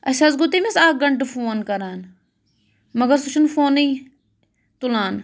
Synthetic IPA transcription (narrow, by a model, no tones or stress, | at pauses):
ɐʃaːzɡʊt̪imesaːk̚ɡɐɳʈɨfoːnkɐɾaːn | mɐɡəɾsut͡ʃʰunfoːniː | t̪ulaːn